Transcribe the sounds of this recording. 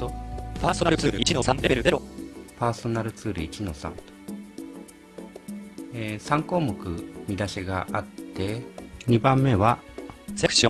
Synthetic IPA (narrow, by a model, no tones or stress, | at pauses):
opaːsonaɾɯ̟t͡sɨːɾɯit͡ɕinosãnd̪ebeɾɯd̪eɾopaːso̞naɾɯ̟t͡sɨːɾɯit͡ɕino̞sã̰nt̪o̥ | esãŋko̞ːmokɯ̟mʲid̪aɕiɡaʔat̪ːe̞ɲ̟ibãmːe̞βasekɯ̥ɕõ